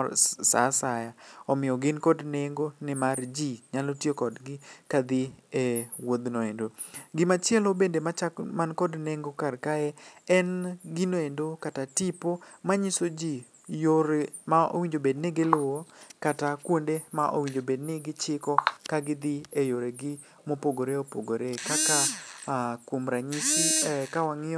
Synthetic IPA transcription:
sa̰sajaɔmɪjɔɡɪnkɔdneŋɡonɪmard͡ʒiɲalotjekɔdɡɪkad̪ɪewod̪noendoɡɪmat͡ʃɛlobendemat͡ʃakmankɔdneŋɡokarkaɛɛnɡɪnoendokatatipomaɲisod͡ʒi | joɾmao̰wiɲd͡ʒobednɪɡɪlʊwokatakwondemaʔo̰wiɲd͡ʒobednɪɡɪt͡ʃɪkɔkaɡɪd̪ɪejoɾeɡɪ | mopoɡoɾeopoɡoɾekaka | komɾaɲisikawaŋɪɔ

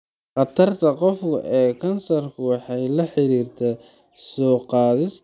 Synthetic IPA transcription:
qɑt̪ʰɐrt̪ʰɐqɔfkʰʊ̰ʔɛːkʰɐnsɐrkʰʊwɑħɑjlɐħɪɾiːrt̪ʰɛ | sɔːqɑːðɪs

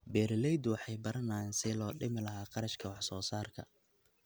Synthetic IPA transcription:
bɛːɾɪlɛjd̪ʊwɑħɑjbɐɾɐnaːnsɪlɔːɖɪmɪlɐɦaːqɑɾɐʃkʰɐwɑħsɔːsaːrkʰɐ̰

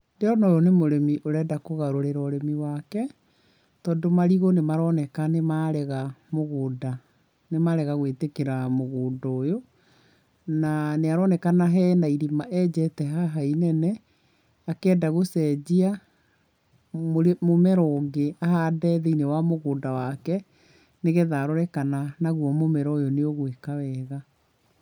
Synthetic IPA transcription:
deɔnɔɾɔnemoɾemiʔoɾɛdakoɣaɾoɾeɾɔːɾemiwakɛ | tɔːndomaɾiɣonemaɾɔnɛkanemaɾɛɣamoɣoːda | nemaɾɛɣaɣwetekeɾamoɣoːdojo | naneaɾɔnɛkanaɦɛnaiɾimaʔɛd͡ʑɛtɛɦaɦainɛnɛ | akɛːdaɣosɛːd͡ʑia | moɾemomɛɾɔŋɡeaɦadɛːðɛinewamoɣoːdawakɛ | neɣeðaːɾɔɾɛkananaɣwɔmomɛɾɔojoneoɣwekawɛɣa

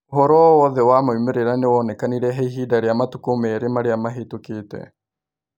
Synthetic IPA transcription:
ɦɔɾɔwɔðɛwamaumeɾeɾanewɔnɛkaniɾɛɦaiɦiːdaɾeamatukomɛɾemaɾeamaɦetuketɛ̰

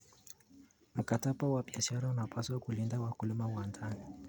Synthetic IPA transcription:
m̩kataɓawaɓiaʃaɾaunapʰaswakulindawakulimawandani

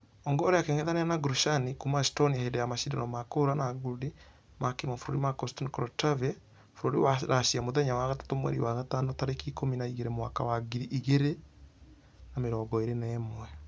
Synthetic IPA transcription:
ɔŋɡɔːɾeakeŋɛðanɛanaɡɾuʃanikumastɔniahedɛjamaʃidaɾɔmakoɾanaɡudi | makemafoɾoɾimakɔstɔnkɔɾɔtavɛ | foɾoɾḭwaɾaʃiamoðɛɲawaɣatḁtomwɛ̰ɾḭwaɣatanɔtaɾekikominaiɣeɾemwakawaɡiɾiʔiɣeɾe | nameɾɔːɡɔeɾenɛmwɛ

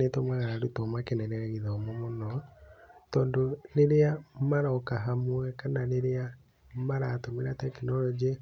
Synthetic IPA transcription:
etɔmwɛɣaɾaɾutɔmakenɛɾɛɣɛɣiðaːmomonɔ | tɔːndoɾeɾeamaɾɔkaɦamwɛkanaɾeɾea | maɾatomeɾatɛkinɔɾɔd͡ʒi

